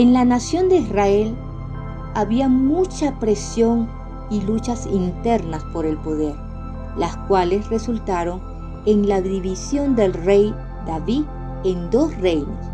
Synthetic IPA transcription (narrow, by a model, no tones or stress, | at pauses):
enlanasjo̞nd̪eisrae̞l | aβiamut͡ʃapɾe̞sjo̞ŋ | ilut͡ʃasint̪e̞ɾnaspo̞ɾe̞lpo̞ðeɾ | laskwalesre̞sult̪aɾo̞ŋ | enlaðiβisjo̞nd̪e̞lrej | d̪̥aβi | end̪o̞srejno̰s